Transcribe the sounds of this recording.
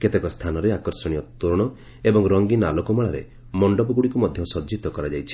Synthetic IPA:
ket̪ekɔst̪ʰanɔɾeakɔɾsɔɽ̃ijɔt̪uɾɔɽ̃ɔ | ebɔŋɾɔŋɡinalɔkɔmaɭaɾḛ | mɔɳɖɔbɔɡuɽikumɔd̪ʱjɔsɔd͡ʒit̪ɔkɔɾad͡ʒajt͡ʃʰi̥

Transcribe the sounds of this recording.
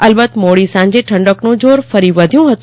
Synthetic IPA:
əlbət̪moɽisãːɲd͡ʑeʈʰɐ̃ɳɖəknũd͡ʑoːɾfəɾiʋəd̪ʱjũɦət̪ũ

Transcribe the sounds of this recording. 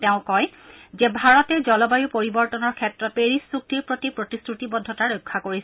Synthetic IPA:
teʊ̃kɔjzɛbʱaɹɔtɛzɔlɔbajupoɹibɔɹtɔnɔɹkʰɛtːɹɔt̚peɹisːuk̚tiɹpɹotipɹotistɹutibɔd̪ʱːɔtaɹojkʰːakoɹis

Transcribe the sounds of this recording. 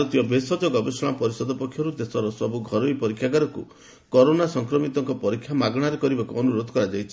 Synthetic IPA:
aɾut̪ijɔbesɔd͡ʒɔɡɔbesɔɽ̃apɔɾisɔd̪ɔpɔkʰjɔɾud̪esɔɾɔsɔbuɡʱɔɾojpɔɾikʰːjaɡaɾɔkṵ | kɔɾonasɔŋkɾɔmit̪ɔŋkɔpɔɾikʰːjamaɡɔɽ̃aɾekɔɾibakuɔnuɾod̪ʱɔ̥kɔɾad͡ʒajt͡ʃʰi̥

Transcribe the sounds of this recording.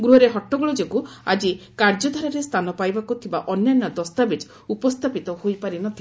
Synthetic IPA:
ɡɾuɦɔɾeɦɔʈːɔɡɔɭɔd͡ʒekua̰d͡ʒikaɾd͡ʒɔd̪ʱaɾaɾest̪ʰanɔpajbakut̪ʰibaʔɔnjanːad̪ɔst̪abed͡ʒ | upɔst̪ʰapit̪ɔhojpaɾinɔt̪ʰi

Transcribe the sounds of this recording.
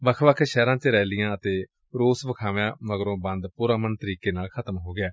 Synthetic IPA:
ʋəkʰʋəkʰʃɛːɾãːt͡ʃeɾɛːlɪjãːət̪eː | ɾoːsʋəkʰaːʋãːməɡɾõːbə̃nd̪puːɾãːmənt̪əɾiːkeːnaːlkʰət̪əmɦoːɡɪaː

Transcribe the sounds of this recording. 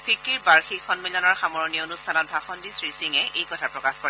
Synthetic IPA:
pʰikːiɹbaɹxikʰːɔnmilɔnɔɹxamɔɹɔnionustʰanɔt̚bʱaxɔndisɹisiŋɛejkɔtʰapɹɔkaxkɔɹɛ

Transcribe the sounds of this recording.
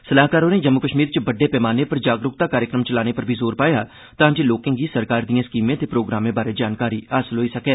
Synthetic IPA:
səlaːɦkaːɾoːneːd͡ʒəmːʊkəʃmiːɾt͡ʃəbəɖeːpɛːmaːneːpəɾd͡ʒaːɡɾʊk̚t̪aːkaːɾjəkɾəmt͡ʃəlaːneːpəɾbʱiːzoːɾpaːjaː | t̪ãːd͡ʒeːloːkɪ̃ŋɡiːsəɾkaːɾd̪ijãːskiːmẽːt̪eːpɾoːɡɾaːmẽːbaːɾeːd͡ʒaːnkaːɾiːaːsəlɦoːiːsəkɛː

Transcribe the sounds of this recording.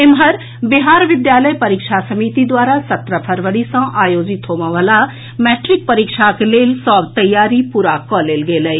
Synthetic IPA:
ɪmɦəɾ | bɪɦaːɾʋɪd̪jaːləjpɐɾɪkʃʰasəmiːt̪id̪waːɾasɐt̪ɾəpʰəɾʋəɽisə̃ʔaːjoːd͡ʒɪt̪ɦoːʋãʋaːla | mɛːʈɾɪk̚pəɾikʃakeleːlsɔːbt̪əjːaːɾipuɾaːkɔːleːlɡeːləi

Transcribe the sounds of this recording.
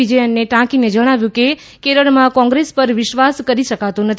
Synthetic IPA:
id͡ʒeənːeʈãkined͡ʒəɽ̃aʋjũke | keɾəɭmãkɔ̃ŋɡɾespəɾʋɪʃʋaskəɾiʃəkat̪onət̪ʰ

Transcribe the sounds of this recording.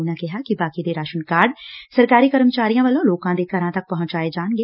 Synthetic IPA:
nãːkɪɦaːkibaːkid̪eːɾaːʃənkaːɾɖsəɾkaːɾiːkəɾəmt͡ʃaːɾijãːʋəlõːloːkãːd̪eːk̪əɾãːt̪ɐk̚pɐɦʊ̃ɲt͡ʃaːed͡ʒaːnɡeː

